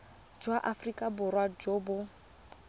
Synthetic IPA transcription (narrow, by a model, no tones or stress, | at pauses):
d͡ʒwaʔafrikʼabʊrwad͡ʒoːbʊ